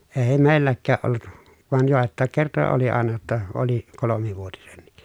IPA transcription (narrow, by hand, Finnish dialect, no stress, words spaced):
eː meˑilːækːæːʔ ʔolːut ʋɑˑen joˑetˑɑˑek kertojɑ oli ɑˑenɑ jotːɑ oli kolomiʋuotinenːik